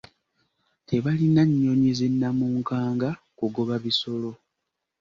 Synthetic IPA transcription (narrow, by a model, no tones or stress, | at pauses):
te̞βalinaɲːo̞ɲezenːamuːŋkaːŋɡa | kuɡo̞βaβiso̞lo̞